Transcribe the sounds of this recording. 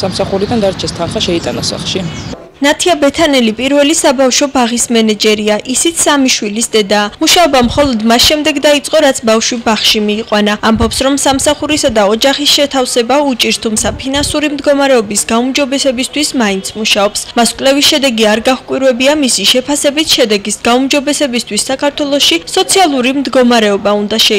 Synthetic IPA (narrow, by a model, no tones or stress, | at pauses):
samsaχuɾid̪and̪aɾt͡ʃʰɛst̪ʰanχaʃɛit̪ʼa̰nasa̰χlˠʃi | nat̪ʰiabɛt̪ʰanɛlipʼiɾvɛlisabafʃɔbaʁismɛnɛd͡ʒɛɾiaʔisit̪sʰamiʃwilisd̪ɛd̪aːmuʃaɔbamχɔlˠɔd̪masʃɛmd̪ɛɡd̪ait̪sʼqʼɔɾat̪sʰbafʃwibaχʃimiːqʼwanaːmbɔpsɾɔmsamsaχuɾisad̪aɔd͡ʒaχisʃɛt̪ʰafsɛbaut͡ʃʼiɾst̪ʰumt̪sʰapʰinansuɾimd̪ɡɔmaɾɛɔbisɡaumd͡ʒɔbɛsɛbist̪ʰwismaint̪ʰmuʃaɔpsmaskʼwlɛvisʃɛd̪ɛɡiaɾɡaχkʼwiɾwɛbiamisiʃɛpʰasɛbit̪ʰʃɛd̪ɛɡisɡaumd͡ʒɔbɛsɛbist̪ʰwisːakʰaɾt̪ʰwɛlˠɔʃisɔt̪sʰialˠuɾimd̪ɡɔmaɾɛɔbaund̪aʃɛ